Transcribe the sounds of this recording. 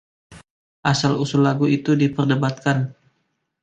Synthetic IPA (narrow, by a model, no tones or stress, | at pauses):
ʔasalusulːaɡuit̪udipərdəbat̪̚kan